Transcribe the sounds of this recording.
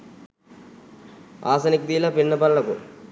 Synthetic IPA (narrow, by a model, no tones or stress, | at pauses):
aːsɐnik̚d̪iːlɐpiɳːɐpɐlːɐkṵ